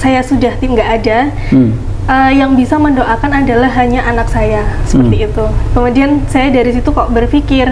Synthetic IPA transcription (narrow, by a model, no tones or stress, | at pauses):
sajasudaht̪iŋɡaʔːda | ʔəjaŋbisaməndoʔakanadalaɦaɲaʔanak̚sajasə̥pərt̪iːt̪ukəmudiansajadaɾisit̪ukaoʔbərfikɪr